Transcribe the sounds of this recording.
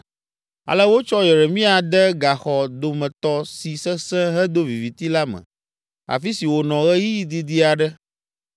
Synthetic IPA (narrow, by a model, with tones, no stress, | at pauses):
a̰˨lə˦wo˦t͡ʃɔ˦jɛ˨ɾɛ˨mĩ˦a˨d̪ɛ˦ɡa˨xɔ˨d̪o˨mɛ̃˨t̪ɔ˦si˨sɛ˦sɛ̃˦ɦɛ˦d̪o˦vi˨vi˨t̪i˦la˦mɛ̰̃˨ | a̰˨fi˦si˨wo˨nɔ̃˨ɣɛ˦ji˦ji˦d̪i˦d̪i˦a˨ɖɛ˦